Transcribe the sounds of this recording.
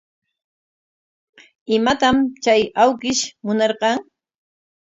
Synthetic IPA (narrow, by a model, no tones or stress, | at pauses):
ɪmat̪amt͡ʃajawkɪʃmʊnɑɾqɑŋ